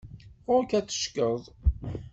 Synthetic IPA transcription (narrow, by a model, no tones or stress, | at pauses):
ʊɾkæt͡sːə̥ʃkəðˤ